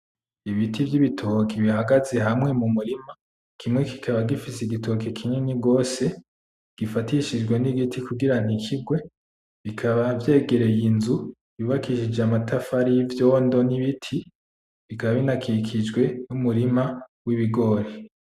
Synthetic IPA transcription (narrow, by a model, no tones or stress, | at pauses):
iβitivjiβitʰokʰiβihaɡaze̞ɦamŋe̞mumuɾima | kʰimŋe̞ki̥kʰaβaɡifiseɡitʰo̞kekʰiɲeniɡo̞ːse̞ | ɡ̥ifatiʃid͡ʒɡweniɡitʰikuɡiɾan̥hikʰib̚ɡwe̞ | βikʰaβavje̞ːɡe̞ɾe̞jinzu | βiβakiʃid͡ʒamatʰafaɾijivjo̞ːndoniβitʰi | βikʰaβaβinakʰikʰid͡ʒɡwe̞numuɾimawiβiɡo̞ɾe